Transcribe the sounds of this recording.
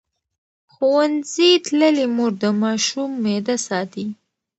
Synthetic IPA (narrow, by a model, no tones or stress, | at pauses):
xowanzit̪ləlimoɾd̪əmɑʃumːed̪asɑt̪i